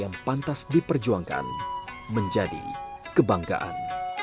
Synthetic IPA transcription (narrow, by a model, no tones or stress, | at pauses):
jaŋpant̪asdipərd͡ʒuaŋka̰nməɲd͡ʒadḭkəbaŋɡa̰ʔa̰n